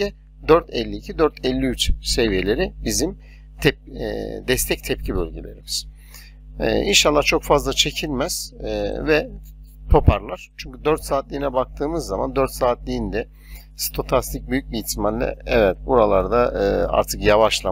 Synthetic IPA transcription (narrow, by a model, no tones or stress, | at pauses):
ɛ | d̪øɾt̪ʰɛlʲːiːcʰid̪øɾt̪ʰɛlʲːiyt͡ʃse̞vije̞lʲe̞ɾibizim | t̪ʰɛp̚ːd̪ɛst̪ʰɛc̚t̪ʰɛp̚cʰibølʲɟelʲe̞̰ɾimiz̥̰ | inʃalˠːaht͡ʃʰo̞kfazlˠat͡ʃʰe̞cʰilʲmæz̥vɛ | p̪ʰo̞pʰaɾlˠaɾ̥t͡ʃʰyɲcyd̪øɾt̪saːt̪lʲiːnɛbak̚t̪ʰɯːmɯzːama̰nd̪øɾt̪saːt̪lʲiind̪ɛ | st̪ʰo̞t̪ʰast̪ʰic̚byjyc̚biçt̪ʰimanʲlːʲɛ̰ɛvɛt̪̚buɾalˠaɾd̪aɯa̰ɾt̪ʰɯkjavaʃlˠa